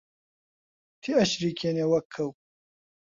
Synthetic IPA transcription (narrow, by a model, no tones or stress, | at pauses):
t̪ʰiɐɕɾikʰenewɐkʰːɐw